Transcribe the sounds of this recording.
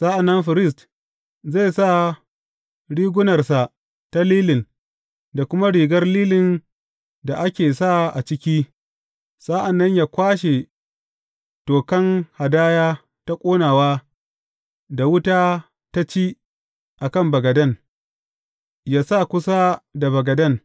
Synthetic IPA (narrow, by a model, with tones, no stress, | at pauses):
sa˦ʔa˨nːɐ˦mɸɪ˨ɾɪ˦s̬t | za˦˨jsa˦˨ | ɽiː˦ɡʷʊ˦nɐ˨rsa˨ | ta˦liː˦lɪ˨n | da˨kʷʊ˦ma˦ɽiː˨ɡɐ˦rliː˦lɪ˨n | da˨ʔa˦kʲeː˨sa˦˨ʔa˨t͡ʃɪ˦kʲiː˦ | sʼa˦ʔa˨nːɐ˦ɲjaː˨kʷaː˦ʃe˨ | toː˨kɐ˦ŋha˨daː˦jaː˦ | ta˦kʷʼoː˦naː˨waː˦ | da˨wʊ˦taː˦ | ta˦t͡ʃiː˦ | ʔa˨kɐ˦mbɐ˨ɡɐ˨dɐ˦˨n | jaː˦sa˦˨kʷʊ˦sa˦da˨bɐ˨ɡɐ˨dɐ˦˨n